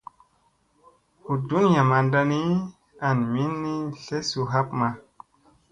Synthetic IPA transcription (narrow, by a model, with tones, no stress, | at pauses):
hu˨du˦ni˦ja˨ma˨nda˧ni˦ | a˨nmi˦nːi˦ɬe˦su˨ɦa˦pma˨